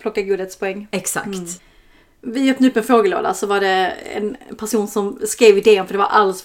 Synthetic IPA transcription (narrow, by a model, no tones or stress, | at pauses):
pʰlɔkːaɡuːd̪ət̪spʰɔɛŋːɛksa̰t̪ | vɪjœːp̚nɵpːɛnfɾoːɡəlo̰ːd̪a̰sɔvaɖɛɛ̰npʰæʂuːnsɔmskɾeːvɪd̪eːɵmfœɖɛvaɾʔalːs